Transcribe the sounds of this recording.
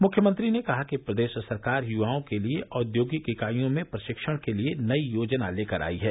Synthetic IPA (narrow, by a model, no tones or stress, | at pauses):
mʊkʰjəmə̃nt̪ɾinekɐɦakipɾɐd̪eːʃsɐɾkaːɾjuʋaːõkelieʔɔːd̪joːɡikɪkaːijõmẽpɾɐʃɪkʃəɽ̃kelienɐijoːd͡ʒnaleːkəɾa̰ːiɦɛː